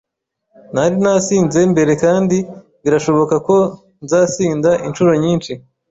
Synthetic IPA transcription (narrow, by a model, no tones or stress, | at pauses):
naɾinasiːnze̞mbe̞ɾe̞kaːndi | βiɾaʃo̞βo̞kako̞ | nzaːsiːndaʔint͡ʃuɾo̞ɲiːnʃi